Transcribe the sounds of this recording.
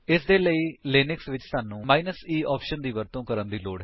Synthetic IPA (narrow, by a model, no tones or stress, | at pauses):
ɪsd̪eːləiːlɪːnɪksʋɪt͡ʃsaːnːũːmaːinəsiːʔɔːpʃənd̪iːʋəɾt̪õːkəɾənd̪iːloːɽɦɛ